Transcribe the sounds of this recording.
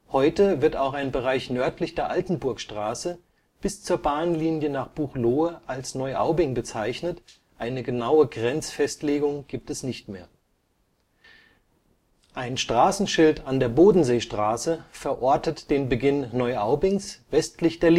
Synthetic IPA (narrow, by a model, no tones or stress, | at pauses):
hɔʏtəvɪɐtaʊxaɪnbəʁaɪçnœɐtʰlɪçd̥eːɐʔaltn̩bʊɐkʃtʁ̥aːsə | b̥ɪst͡suːɐbaːnliːnjənaːχb̥uːχloːəʔalsnɔʏʔa̰ʊbɪŋbət͡saɪçnət | ʔaɪnəɡənaʊəɡʁɛnt͡sfɛstleːɡʊŋɡ̥iːp̚tɛsnɪçtmḛːɐ | ʔaɪnʃtʁ̥aːsn̩ʃɪltandeːɐboːdn̩zeːʃtʁ̥aːsəfɛɐʔɔɐtətd̥eːnbəɡɪnːɔʏʔaʊbɪŋsvɛstlɪçd̥eːɐl